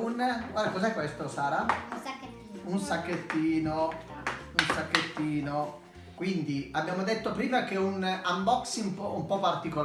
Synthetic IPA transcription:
unɡwad̪akɔzɛkːwest̪osaːɾa | unsakːet̪ːiːno | unsakːet̪ːiːno | kwind̪iabːjaːmod̪et̪ːopɾiːmakeunambɔksimpɔumpɔpːart̪ikol

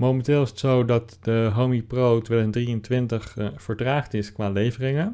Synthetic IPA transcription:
mowmɛntɪːlˠɪsətsowdɑtdəɦomiprowtʋɛləndriəntʋɪntəχfəɹdraːχtɪskʋaːlejvərɪŋən

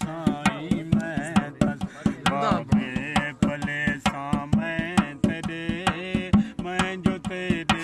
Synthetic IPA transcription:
ãimɛ̃ | abepʰɐlesãːmɛ̃t̪eːɾe | mɛ̃d͡ʒot̪eːɾe

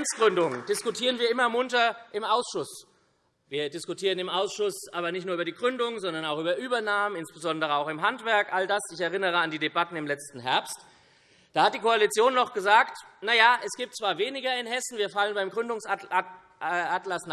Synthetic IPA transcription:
nt͡sɡ̥ʁʏndʊŋd̥ɪskʊtʰiːʁ̞ənviːɐɪmɐmʊntɐʔɪmʔaʊsʃʊs | viːɐdɪskʊtʰiːʁənɪmʔaʊsʃʊsʔaːbɐnɪçtnuːɐybɐdiːɡʁʏndʊŋzɔndɐnaʊxʔyːbɐʔyːbɐnaːmənɪnsb̥əzɔndəʁəaʊxɪmɦantv̥ɛɐkʔaldasɪçɛɐʁɪnəʁəandiːdebatn̩ɪmlɛt͡stn̩ɦɛɐpst | d̥aːhat̚d̥iːkʰoalit͡sjoːnːɔχɡ̥əzaːktnajaːʔɛsɡ̥iːp̚tt͡sv̥aːɐveːnɪɡɐɪnɦɛsn̩viːɐfalənbaɪmɡʁʏndʊŋs | ʔatlasn

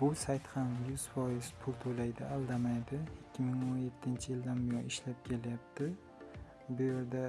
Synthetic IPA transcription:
bʊsajt̪hamjʊz̥fɒjɪz̥pʰʊlˠt̪ʰolajd̪ɪalˠd̪amajd̪ɪɪkʲːɪmɪŋonje̞t̪ʰːɪnt͡ʃʰɪjɪld̪anbɪjɒnɪʃlap̚kʲʰe̞lajap̚t̪ʰɪ | bʊje̞ɾd̪a

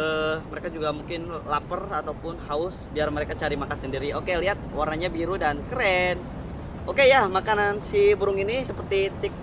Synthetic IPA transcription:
əməɾekad͡ʒuɡamuŋkɪnlapərat̪awpʊnhaʊsbiarməɾekat͡ʃaɾimakasəndiɾiokeliɦat̪̚warnaɲabiɾudankəɾɛn | okejamakanansibəɾʊŋinisəpərt̪it̪ɪk̚

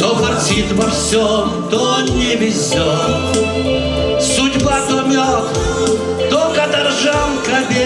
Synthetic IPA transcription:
t̪opɐrsʲit̪vɐfsʲɔmt̪onʲɪvʲɪsʲo | sʊdʲbat̪ɔmʲɔk | t̪okɐt̪ɐrʐamkɐbʲe

